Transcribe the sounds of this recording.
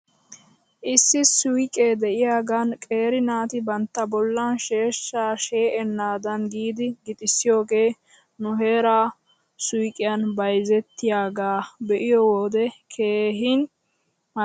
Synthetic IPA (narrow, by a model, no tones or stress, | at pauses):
ʔɪsːɪsʊjkʼːeːd̪ɛʔɪjaːɡankʼe̞ːɾɪnaːt̪ɪbɐnt̪ːɐbɔlːanʃe̞ːʃːaːʃe̞ːʔɛnːaːd̪ɐnɡiːd̪ɪɡɪt̪ʼɪsːɪjo̞ːɡe̞ː | nʊɦe̞ːɾaː | sʊjkʼːɪjɐnbɐjzɛt̪ːɪjaːɡaːbɛʔɪjɔwoːd̪ɛkʰeːɦɪn | m